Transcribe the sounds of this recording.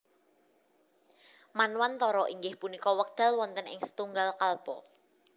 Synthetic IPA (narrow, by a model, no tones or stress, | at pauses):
manwant̪ɔɾɔʔiŋɡɪhpunikɔwək̚d̪̥ä̤lwɔnt̪ənɪ̰ŋsə̥t̪uŋɡalkalb̥ɔ